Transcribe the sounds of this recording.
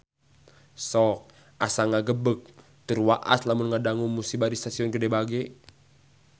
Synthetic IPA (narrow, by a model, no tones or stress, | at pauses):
sɔk̚ | ʔasaŋaɡəbək̚ | t̪ərwaʔa̰slamunŋadaŋuŋmusibadist̪asiɔnɡədɛbaɡɛ